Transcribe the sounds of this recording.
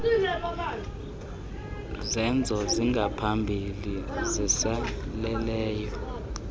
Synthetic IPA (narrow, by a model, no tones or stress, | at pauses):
zɛnd͡zʱɔziŋɡʱapʰambʱilizɛsalɛlɛːjɔ